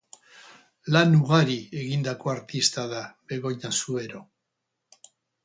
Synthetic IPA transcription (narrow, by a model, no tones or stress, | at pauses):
lanuɣaɾie̞ɣind̪ako̞aɾt̪ist̪aðaβe̞ɣo̞ɲasue̞ɾo̞